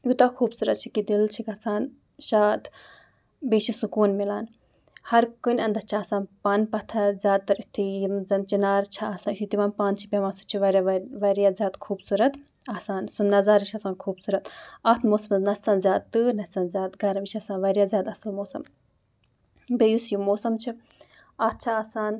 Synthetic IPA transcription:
jut̪aːkʰuːbsuːɾɐt̪̚t͡ʃʰikid̪ilt͡ʃʰikɐsaːn | ʃaːt̪ʰ | beːt͡ʃʰisukuːnmilaːn | hɐɾkɨnʲɐnd̪ɐt͡ʃʰiaːsãːnpɐnpɐt̪ʰɐzʲaːd̪̚t̪ːɐɾit̪ʰijimzɐnt͡ʃinaːɾt͡ʃʰaaːsaːnit̪ʰit̪imɐːnpaːnt͡ʃʰi̥pʲemaːsu̥t͡ʃʰiʋɐɾʲaʋɐɾijaːzʲjaːd̪kʰuːbsuɾɐt̪ | aːsaːnsunnɐzaːɾit͡ʃʰɐsaːnkʰuːbsuːɾɐt̪ɐːt̪ʰmoːsɐmznɐsɐnzʲjaːd̪̚t̪ɨːnɐt͡sɐnzʲaːt̪ɡɐɾɐmit͡ʃʰɐsaːnʋɐɾjaːzʲjaːt̪ɐsɐlmoːsɐm | bejusjimoːsɐmt͡ʃʰi | ɐːt̪̚t͡ʃʰaaːsaːn

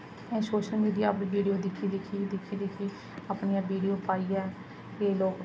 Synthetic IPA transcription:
ɛ̃ːsoːʃəlmiːɖijaːpʋiːɽijoːd̪ɪkʰːiːd̪ɪkʰiːd̪ɪkʰːiːd̪ɪkʰiː | aːpɳiːãːʋiːɖijoːpaːiːɛː | eːloːk

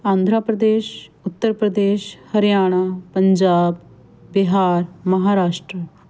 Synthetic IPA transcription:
ãːnd̪ʱɾaːpɾəd̪eːʃʊt̪ːəɾpɾəd̪eːʃhəɾjaːɽ̃aːpəɲd͡ʒaːbː | ɪɦaːɾməɦaːɾaːʃʈɾə

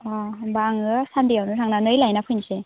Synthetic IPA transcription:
ɔbaːŋɯsandijawnɯɾʰaŋnanɯjlajnapʰɯjnse

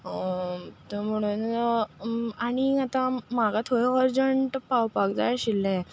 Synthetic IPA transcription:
t̪əm̤əɽ̃un | aɽ̃iat̪ãm̤aɡat̪ʰoɽeɔɾd͡ʑəɳʈpawpaɡd͡za̰jɕilːɛ̃

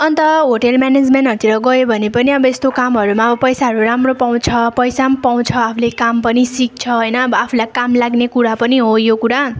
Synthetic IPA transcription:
ʌnt̪ʌɦoʈelmaned͡zmenʈɦʌɾt̪ʰiɾʌɡʌjobʱʌnepʌniʌbʌest̪okamɦʌɾumaʌbʌpʌjsaɦʌɾuɾamropaw̃t͡sʰʌpʌjsampaw̃t͡sʰʌapʰulekampʌnisik̚t͡sʰʌɦʌjnʌːbʌapʰulajkamlaɡnekuɾapʌniɦojokuɾa

